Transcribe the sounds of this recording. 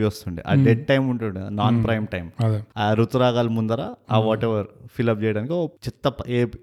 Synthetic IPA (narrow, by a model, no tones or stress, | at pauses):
iʋɐst̪uɳɖḭʔɐ̰d̪ɛʈ̚ʈɐjmuɳʈuɳɖḭnaːnpɾɐjmʈɐjmɾut̪uɾaːɡaːlmund̪ɐɾa̰ːaʋɔːʈeʋɐɾfilɐp̚t͡ʃɛːjɐɽaːnikiot͡ʃit̪ːɐpeː